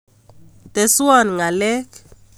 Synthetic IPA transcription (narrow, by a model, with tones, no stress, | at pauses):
t̪e˨sa˦˨nŋa˨lɛ˦k